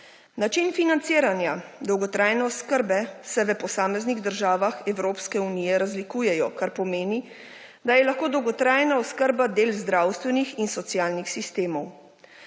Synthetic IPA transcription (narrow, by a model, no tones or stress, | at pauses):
nat͡ʃinfinant̪siːɾanjad̪ɔwɡɔt̪ɾaːjnɛɔskəɾbɛsɛʋəpɔsaːmɛzniɣd̪əɾʒaːʋaxɛwɾoːpskɛunijɛɾazlikuːjɛjɔkaɾpɔmeːni | d̪ajɛlaxkoːd̪ɔwɡɔt̪ɾaːjnaɔskəɾbad̪eːlzd̪ɾaːwst̪ʋɛnixinsɔt̪sijaːlnixsist̪eːmɔw